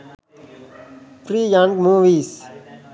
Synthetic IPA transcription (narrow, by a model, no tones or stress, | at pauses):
fɾiːjãŋkmũːʋiːs